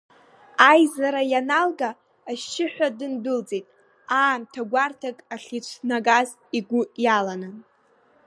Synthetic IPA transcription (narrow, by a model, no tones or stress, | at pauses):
ajzaɾajanalɡaː | ʃɪħᶣʷadɨndʊld͡zejtʼ | aːmtʰaɡʷartʰakʼaχʲit͡ʃʷʰnaɡaz | iɡʷʊjalanɨn